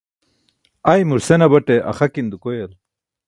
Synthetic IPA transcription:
ajmuɾsenɐbɐʈeʔɐ̰χɐkind̪ukojɐl

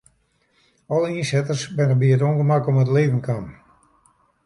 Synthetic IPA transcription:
ɔləinsɛtərsbɪnəbiətoŋɡəmakɔmətleːvən̩kʰan

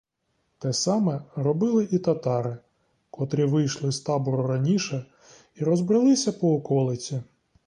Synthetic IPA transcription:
t̪ɛsɑmɛɾɔbɪlˠɪʔit̪ɐt̪ɑɾɪ | kɔt̪ɾʲiʋɪjʃlˠɪst̪ɑbʊɾʊɾɐnʲiʃɛ | iɾɔzbɾɪlˠɪsʲɐpɔːkɔlˠɪt͡sʲi

